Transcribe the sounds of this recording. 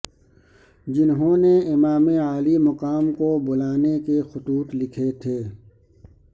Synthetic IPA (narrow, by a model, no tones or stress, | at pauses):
d͡ʒɪnɦõːneɪmaːmeaːlimɐqaːmkobʊlaːnekexʊt̪uːt̪lɪkʰet̪ʰeː